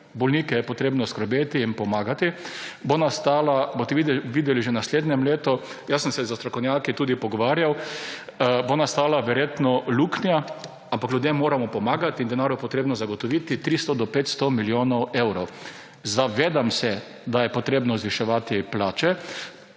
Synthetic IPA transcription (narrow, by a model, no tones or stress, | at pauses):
bɔlniːkɛjɛpɔt̪ɾeːbnɔskɾɔbeːt̪iːnpɔmaːɡat̪ibonast̪aːlabot̪ɛiʋiːd̪ɛliʒenasleːd̪nɛmleːt̪ɔ | jasənsɛzast̪ɾɔkownʲjaːkit̪uːd̪ipɔɡɔʋaːɾjaw | bonast̪aːlaʋɛɾjet̪nɔluːknja | ampaklud̪jemːoːɾamɔpɔmaːɡat̪ind̪ɛnaːɾʊpɔt̪ɾeːbnɔzaɡɔt̪ɔʋit̪it̪ɾist̪ɔd̪ɔpeːt̪st̪ɔmiljoːnɔwewɾɔw | zaʋeːd̪amsɛ | d̪ajɛpɔt̪ɾeːbnɔzʋiʃɛʋaːt̪iplaːt͡ʃɛ